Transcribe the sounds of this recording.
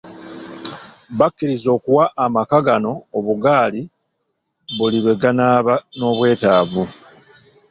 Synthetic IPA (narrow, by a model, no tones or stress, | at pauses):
βakːiɾizo̞ːkuwaʔːmakaɡano̞ːβuɡaːli | βuliβe̞ɡanaːβano̞ːβwe̞ːtaːvu